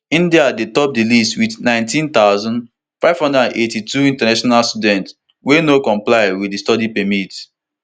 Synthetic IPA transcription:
ĩndiadetɔp̚dilistwidnãɪ̃ntĩnt̪aʊzɔ̃n | faɪv̥hɔ̃ndədãnʔetituĩntanaʃɔnalstudɛ̃nt | wenokɔ̃mplaɪwiistɔdipɛmit

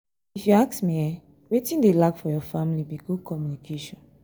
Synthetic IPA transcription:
ifjuaksmiɛ | wetĩndelakfɔjɔfãmilibiɡud̚kɔmjunikʰeʃɔ̃n

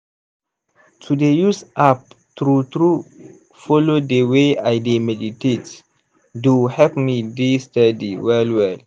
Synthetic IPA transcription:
tʰudejusʔap̚ | tɾut̪ɾu | fɔlodeweajdemɛditet | duhɛpmidistadiwɛlwɛl

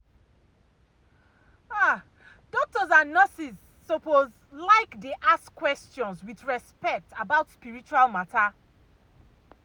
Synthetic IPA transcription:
a | dɔk̚tɔzãnːɔsizː | opoz | laɪkdeʔaskːwɛstjɔ̃nswiθɹɛspɛk̚tabaʊtspiɹit͡ʃualmata

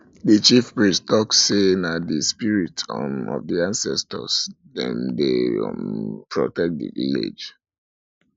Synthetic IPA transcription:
dit͡ʃifpɹĩstɔkssenadispiɹitʰɔ̰vdiãnsɛstɔ̰s | dɛ̰̃mde | pɹɔtɛk̚dḭvilḛd͡ʒ

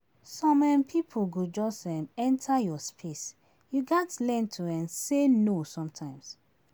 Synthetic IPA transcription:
sɔ̃mɛ̃mpʰipʰuɡod͡ʒɔsɛ̃mɛ̃ntʰajɔspʰes | juɡatlɛ̃ntʰuɛ̃nsenosɔ̃mtʰãɪ̃ms

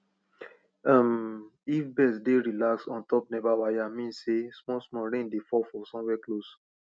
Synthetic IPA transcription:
ãmifbɛsdeɾilaksɔ̃ntɔp̚nɛvawajamĩnsesmɔsmɔɾẽndefɔfɔsɔ̃wɛklos

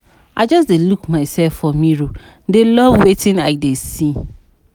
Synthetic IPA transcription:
aɪd͡ʒɔsdelukmãɪsɛlfɔmĩɾu | dɪlɔvwetʰɪ̃naɪdesi

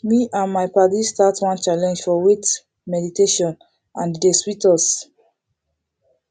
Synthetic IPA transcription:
miʔãnmaɪpadistatwɔ̃nt͡ʃalɛ̃nd͡ʒfɔwit | mɛditeʃɔ̃n | ʔãndeswitɔs

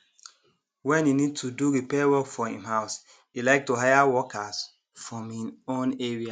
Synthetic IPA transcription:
wɛ̃ninid̚tʰuduɾipɛwɔkfɔhḭ̃mhaʊs | ilaɪk̚tuɦajawɔkas | fɹɔ̃mĩõneɹia

